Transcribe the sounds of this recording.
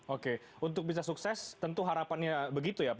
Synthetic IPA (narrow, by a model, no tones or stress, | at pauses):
oke | unt̪ʊk̚bis̬asuksɛst̪ənt̪uɦaɾapanɲabəɡit̪ujap